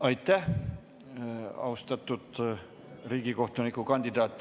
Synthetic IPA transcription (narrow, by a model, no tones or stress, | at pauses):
ɑjt̪ːˑæh | ɑ̰ust̪ɑt̪ˑːud̪̥ | riːɡ̥iko̞ht̪unikːˑukɑnʲd̪̥id̪ɑːt̪ːˑ